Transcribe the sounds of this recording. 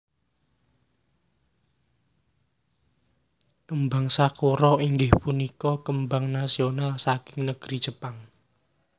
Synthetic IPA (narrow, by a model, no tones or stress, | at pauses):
kəmbaŋsakuɾɔiŋɡɪhpunikɔkəmbaŋnasionalsakɪŋnəɡ̥ɾi̥ʒ̥əpaŋ